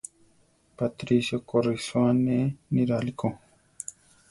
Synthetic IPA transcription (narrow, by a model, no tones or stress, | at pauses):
pat̪ɾisjokoriswaneniɾaliko